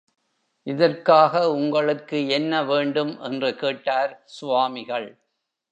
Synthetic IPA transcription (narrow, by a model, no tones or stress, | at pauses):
ʔɪðɐrkaːɣɐʊŋɡɐɭɯkːɯɛnːɐʋeːɳɖɯmʔɛndrɯkeːʈːaːɾsʊʋaːmɪɣɐɭ